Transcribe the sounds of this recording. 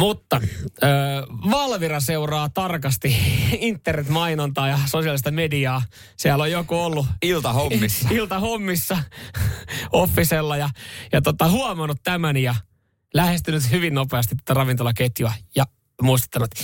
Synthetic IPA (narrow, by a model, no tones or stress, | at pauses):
mut̪ːɑøːʋɑlʋirɑseurɑːt̪ɑrkɑst̪iint̪ːernet̪mɑinont̪ɑːjɑsosiɑlist̪ɑmediɑː | siælːojokuolːuilt̪ɑhomːisːɑilt̪ɑhomːisːɑ | ofːiselːɑjɑjɑt̪ot̪ɑhuɑmɑnːut̪tæmænijɑ | læhest̪ynyt̪hyʋinːopeɑst̪it̪ːo̥t̪ɑrɑʋint̪olɑket̪juɑjɑ | muist̪e̥t̪ːɑnut̪